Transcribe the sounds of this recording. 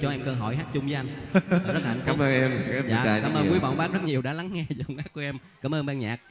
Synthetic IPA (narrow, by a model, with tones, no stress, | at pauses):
t͡ɕɔ˧ʔɛ˧mkəː˧ɦɔ̰˨˧˩jɦaː˦˥t̚t͡ɕʊ˧ŋ͡mvəː˨˦jʔa˧ŋ̟˨˩zə˦˥la˨˩˨ŋ̟kfa˨˦˥məː˧nɛ˧mː˨˦ja̰ː˨a˧kaː˨˦mʔəː˧kwəɓɔ̰ː˧˨nɓaː˦˥zə˦˥t̚ɲi˨˩əwɗa̰ː˧˥la˨˦ŋŋɛ˧zʊ˨˩˨ŋ͡mʔaː˦˥ku˧˩ʔɛ˧mkaː˧˩mʔəː˧nɓa˧nɲa̰ː˨˩k̚